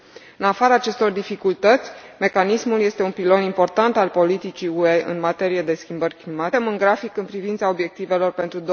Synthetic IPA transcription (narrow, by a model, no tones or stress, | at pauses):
ɨnafaɾaːt͡ʃe̞st̪o̞rd̪ifikult̪ət̪sʲme̞kanismulje̞st̪e̞unpilo̞nimpo̞rt̪ant̪alpo̞lit̪it͡ʃiue̞ɨ̰nmat̪e̞ɾije̞d̪e̞skʲimbərʲklimamɨnɡɾafikɨnpɾivint̪sao̞bje̞k̚t̪ive̞lo̞rpe̞nt̪ɾud̪o